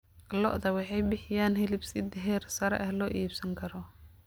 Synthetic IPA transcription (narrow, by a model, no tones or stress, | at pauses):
lɔ̰ʔðɐwɑħɑjbɪħɪjaːnɦɛlɪbsɪd̪ɪɦɛːrsɐɾɛ̰ʔɐhlɔːʔiːbsɐŋkʰɐɾɔ